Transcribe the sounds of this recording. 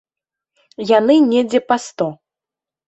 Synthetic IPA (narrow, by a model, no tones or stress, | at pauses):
janɨnʲɛd͡zʲɛpast̪ɔ